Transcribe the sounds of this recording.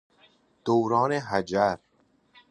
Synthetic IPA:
d̪̥owɾɒːneɦæd͡ʒæɾ

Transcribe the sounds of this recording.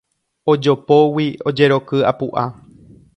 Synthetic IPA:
o̞d͡ʒopo̞wio̞d͡ʒe̞ɾo̞kɨa̰puʔa

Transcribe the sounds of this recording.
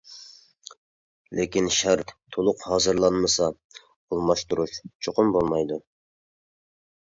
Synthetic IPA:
lʔekʲinʃæɾt̪t̪ʰːolˠʊqhɑːzɨɾlˠɑnmɨsɑ | olˠmɑʃt̪uɾuʃt͡ʃʰoqʊmbolˠmɑjd̪u

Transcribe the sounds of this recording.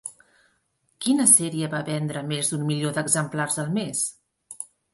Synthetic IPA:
kinəsɛɾiəβaβɛnd̪ɾəmezd̪ummiljoðəɡzəmplarzðəlˠmes

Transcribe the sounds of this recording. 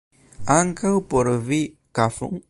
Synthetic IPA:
aŋkawpoɾəvi | kafṵŋ

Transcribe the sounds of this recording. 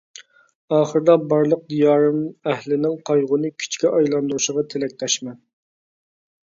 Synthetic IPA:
ɑːχəɾɨd̪ɑbɑɾlˠəq̚d̪ijɑːɾɨmæhlɪnɪŋqʰɑjʁʊnɨkʲʰy̥t͡ʃkʲiʔɑjlˠɑnd̪uɾuʃəʁɑt̪ʰelɛk̚ʲt̪ʰɛʃmɛn

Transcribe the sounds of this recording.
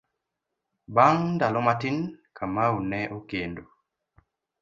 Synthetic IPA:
baŋndalɔmatinkʰamaunɛʔokendo

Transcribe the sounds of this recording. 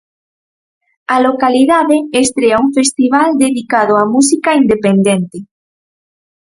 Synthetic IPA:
ɐlokaliðaðeːst̪ɾeauŋfest̪iβald̪eðikað̞oamusikaind̪epend̪ent̪ɪ

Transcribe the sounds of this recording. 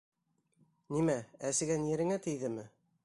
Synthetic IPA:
nimææsɘ̆ɡænjɘ̆ɾɘ̆ŋæt̪ɘ̆jðɘmɘ

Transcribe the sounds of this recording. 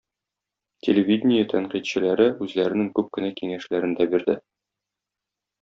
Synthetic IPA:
tʲʰelʲevʲid̪ʲnʲɪjət̪ʰæɴqit̪ɕɘ̆læɾɘʉzlæɾɘ̆nɘŋkʉp̚kɘ̆nækiŋæʃlæɾɘ̆nd̪æbiɾd̪ɘ

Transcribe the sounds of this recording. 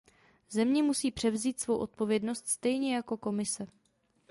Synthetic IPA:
zɛmɲɛmusiːpr̥ɛvziːt̪svo̞wʔo̞t̪̚po̞vjɛdno̞st̪st̪ɛjɲɛjako̞ko̞mɪsɛ

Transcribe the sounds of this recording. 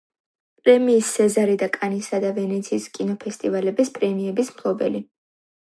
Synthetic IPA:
pʼɾɛmiːsɛzaɾid̪akʼanisad̪avɛnɛt̪sʰiːskʼinɔpʰɛst̪ʼivalɛbispʼɾɛmiɛbismpʰlˠɔbɛ̰li

